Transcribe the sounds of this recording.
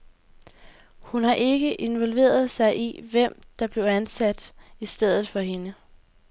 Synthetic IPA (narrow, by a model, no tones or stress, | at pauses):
hunɦɑ̈ʔe̝ɡ̥əʔe̝nʋɒ̽lʋe̝̰ːɐð̞̩ˠsɑ̈ɪʔiʋem̰d̥ɑ̈b̥le̝ʊænsæd̥isd̥eð̞̰ˠð̩ˠfɒ̽ɦe̝nə